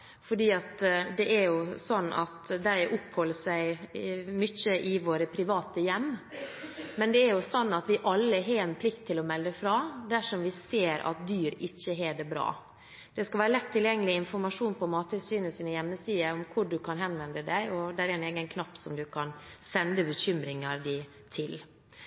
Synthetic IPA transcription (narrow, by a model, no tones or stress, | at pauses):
fɔɖiːɑt̪d̪ɛʔɛɾjʊsɔnːʔɑ̰t̪d̪æɪʔʊphɔləsæɪmʏçəʔɪʋoːɾəpʰɾɪʋɑːt̪əjɛmː | mɛnd̪ɛæɾjʊsɔnːɑt̪ʋɪʔɑlːəɦeːɾɛnpʰlɪkt̪ʰːɪlɔmɛld̪əfɾɑːd̪æʂɔmʋɪseːɾʔɑ̰t̪̚d̪yːɾɪçːəɦeːɖ̪ɛbɾɑ̰ː | d̪̥ɛskɑlʋæːɾəlɛt̪ʰːɪljɛŋːəlɪɪnfɔɾmɑʂuːnpʰɔmɑːt̪əsyːnəsiːnəjɛmːəsiːəɔmkʰʊɖʉkʰɑnɦɛnʋɛnd̪əd̪æɪɔd̪æɾɛneːɡənkʰnɑpːsɔmd̪ʉkʰɑnsɛnd̪əbəɕʏmɾɪŋɑɾd̪æɪ | t̪ʰɪl